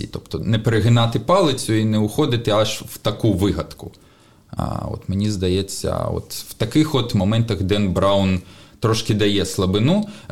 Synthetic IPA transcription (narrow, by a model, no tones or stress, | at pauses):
ḭt̪ɔpt̪ɔnɛpeɾɪɦɪnɑt̪ɪpɑlˠɪt͡sʲʊinɛʊxɔd̪ɪt̪ɪaʒwt̪ɐkuʋɪɦɐt̪kʊ | a̰ɔ̰t̪mɪnʲizd̪ɐjɛt͡sʲːɐ̰ɔ̰t̪wt̪ɐkɪxɔt̪mɐmɛnt̪ɐɣd̪ɛnbɾawnt̪ɾɔʃkʲɪd̪ɐjɛslˠɐbɪnu